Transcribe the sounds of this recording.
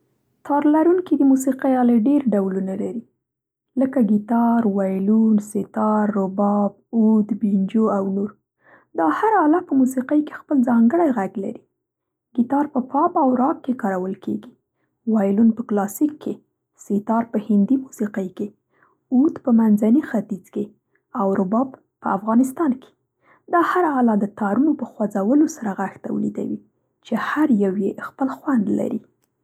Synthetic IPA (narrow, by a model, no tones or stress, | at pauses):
t̪ʰɑɾlaɾunkid̪əmusiqəjɑleɖeɾɖawlunalaɾi | ləkaɡit̪ɑɾwɑjlunset̪ɑɾːobɑb̚ud̪bind͡ʒoawnoɾ | d̪ɑhaɾɑlapəmusiqəjke̥xpəlzɑŋɡəɽajɣaɡla̰ɾi | ɡit̪ɑɾpəpɑpawɾɑkkːekɑɾawəlkeɡi | wɑjlunpəklɑsikʰːe | sit̪ɑɾpəhɪnd̪imusiqəjke | ut̪pəmanzanixat̪id͡zke | awɾʊbɑb | pːəafɣɑnɪst̪ɑnke̥ | d̪ɑhaɾaalɑd̪ət̪ɑɾunopəxwad͡zawəlosaɾaɣaxt̪a̰wə̰lḭd̪a̰wi | t͡ʃehaɾjawjexpəlxwand̪la̰ɾi